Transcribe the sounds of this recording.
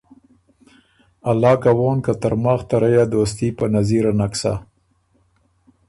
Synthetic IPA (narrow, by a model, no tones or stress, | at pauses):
alːɑːkawoːnkat̪əɾmaxt̪aɾajad̪os̬t̪ipənaziɾanaksa̰